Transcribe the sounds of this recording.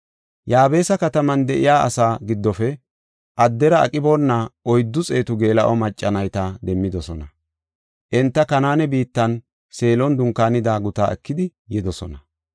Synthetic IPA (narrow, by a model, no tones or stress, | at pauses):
jaːbe̞ːsɐkɐt̪ɐmɐnd̪ɛʔɪ̰jaːʔɐ̰saːɡɪd̪ːɔfɛ | ʔɐd̪ːɛɾɐɐ̰kʼɪboːnːɐʔɔjd̪ːʊt͡sʼeːt̪ʊɡe̞ːlɐʔɔmɐt͡ʃʼːɐnɐjt̪ɐd̪ɛmːɪd̪ɔsɔnɐ | ʔɛnt̪ːɐkɐnaːnɛbiːt̪ːɐn | se̞ːlɔnd̪ʊŋkːaːnɪd̪aːɡʊt̪a̰ːɛkːɪd̪ɪjɛd̪ɔsɔ̰nɐ